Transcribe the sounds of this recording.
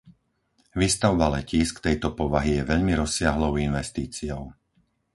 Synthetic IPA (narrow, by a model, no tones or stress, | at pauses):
ʋist̪aʊbalɛciːskt̪ɛjt̪ɔpɔʋaɦijɛʋɛʎmiɾɔsɪaɦlɔʊinʋɛst̪iːt͡sijɔʊ